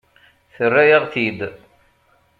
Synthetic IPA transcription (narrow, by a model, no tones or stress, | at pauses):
θərːæjəʁθid̪